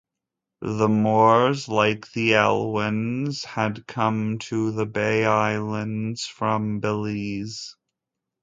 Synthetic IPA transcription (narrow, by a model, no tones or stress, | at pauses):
ðəmɔɹzlaɪk̚ðiɛ̰lˠwɪ̃nz̥ɨd̚kʰʌ̃mtʰəðəbeɪaɪlˠə̃ndz̥fɹʌ̃mbəliz̥